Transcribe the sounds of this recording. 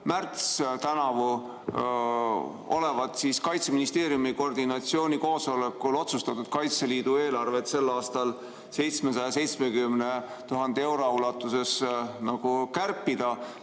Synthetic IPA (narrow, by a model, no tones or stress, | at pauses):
mært̪st̪ænɑvu | o̞̰le̞vɑd̪̥siskɑjt̪seminist̪e̞ːɾjumiko̞rd̪̥inɑt̪sio̞ːnʲiko̞ːso̞lekːˑulo̞t̪sust̪ɑt̪ːˑud̪̥̚kɑjt̪seliːd̪̥ue̞ːlɑrve̞t̪se̞lːɑːst̪ɑl | se̞jt̪smesɑjɑse̞jt̪smekymne̞ | t̪uɦɑnd̪̥ee̞wɾo̞ulɑt̪ːˑuse̞snɑɡ̥ukærpːid̪̥ɑ